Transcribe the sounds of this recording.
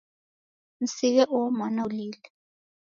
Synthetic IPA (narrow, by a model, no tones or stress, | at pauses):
n̩sik̬ɛʔɔmɔnaliːlɛ